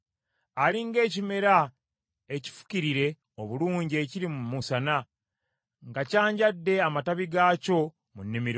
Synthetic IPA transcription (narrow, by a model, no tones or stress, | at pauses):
aɾiŋɡe̞ːcime̞ɾa | e̞ci̥fu̥ciɾiɾe̞ | o̞βuluːɲɟie̞ciɾimumusana | ŋɡacaːɲɟadːe̞amataβiɡaco̞ | munːimiɾo